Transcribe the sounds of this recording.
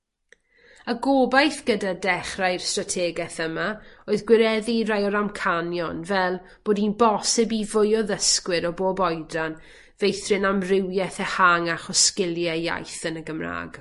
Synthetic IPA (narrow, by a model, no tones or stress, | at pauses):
əɡoːbajθɡ̥ədadɛχrajr̥stratʰɛːɡɛθəmaoːɨðɡwɪɾɛðirajɔɾamkʰanjɔnvɛlˠ | b̥oːdinbɔsɪbivʊjɔðəskwɪɾɔboːbɔjdran | vejθrɪnamrɪwjɛθɛhaŋaχɔskɪlˠjɛja̰jθənəɡəmra̰ːɡ̥